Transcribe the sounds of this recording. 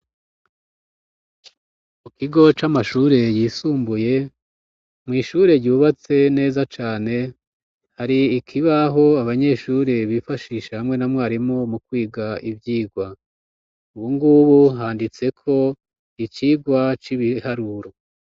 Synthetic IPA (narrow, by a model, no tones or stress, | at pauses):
mukiɡo̞t͡ʃamaʃuːɾe̞jiːsuːmbuje̞ | mŋiːʃuːɾe̞ɾɟuːβat͡se̞ne̞ːzat͡ʃaːne̞ | haɾiːkʰiβaɦo̞aβaɲe̞ʃuːɾe̞βifaʃiːʃahamŋe̞namŋaːɾimomukwiːɡaʔivjiːɡwa | uβuŋɡuβuɦaːndit͡se̞kʰo̞ | it͡ʃiːɡwat͡ʃiβihaɾuɾo